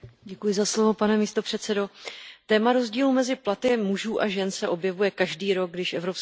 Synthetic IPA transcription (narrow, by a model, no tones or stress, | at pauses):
ɟɛkujɪzaslo̞vo̞panɛmiːst̪o̞pr̝̥ɛt̪t͡sɛdo̞t̪ɛːmaɾo̞zɟiːluːmɛzɪplat̪ɪmuʒuːʔaʒɛnsɛʔo̞bjɛvujɛkaʒdiːɾo̞ɡ̚ɡdɪʃʔɛvɾops